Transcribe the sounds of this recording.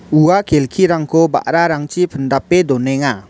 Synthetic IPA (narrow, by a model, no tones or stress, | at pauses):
uakelkʰiɾaŋkʰɔba̰ʔɾaɾaŋt͡ʃipʰəndapːed̪ɔnɛŋa